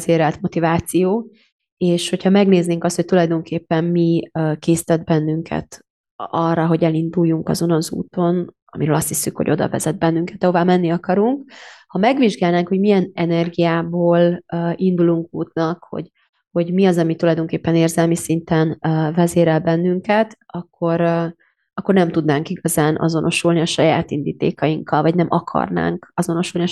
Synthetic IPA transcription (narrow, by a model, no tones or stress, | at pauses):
zeːɾɛlt̪mo̞t̪ivaːt̪sijoː | eːʃho̞cʰhɒmɛɡneːzneːŋkɒst̪ho̞c̚t̪ulɒjd̪o̞ŋkeːpːɛmmikeːsi̥t̪ɛd̪̚bɛnːyŋkʰɛ̰t̪ | ɒrːɒɦo̞ɟɛlind̪ujːuŋkɒzo̞nonzṵːt̪o̞n | ɒ̰miɾøːlɒst̪hisːykho̰ɟo̞d̪ɒ̰vɛ̰zɛd̪̚bɛnːyŋkɛt̪ɒɦovaːmɛnːiɒkɒɾuŋkhɒmɛɡʋiʒɡaːlnaːŋkho̞ɟmijɛnɛnɛrɡijaːboːlind̪uluŋkuːt̪nɒkho̰ɟ | ho̞ɟmiɒzɒmit̪ulɒjd̪o̞ŋkeːpːɛneːrzɛlmisint̪ɛnvɛzeːɾɛlbɛnːyŋkɛt̪ɒkʰːo̞ɾ | ɒkːo̞rnɛmt̪ud̪naːŋkiɡɒzaːnʔɒ̰zo̞no̞ʃulniɒʃɒja̰ːt̪ind̪iːt̪ḛːkɒjiŋkʰːɒlvɒɟnɛmʔɒkʰɒ̰rna̰ːŋkɒzo̞no̞ʃulni